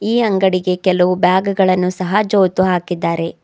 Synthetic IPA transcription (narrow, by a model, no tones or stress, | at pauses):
iːɐŋɡɐɽiɡe̞kɛlɐʋubjaːɡɡɐɭɐnːusɐɦad͡ʒoːt̪uɦaːkid̪ːaːɾe̞